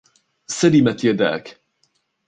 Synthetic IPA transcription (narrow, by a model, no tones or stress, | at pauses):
salimat̪jad̪a̰ːk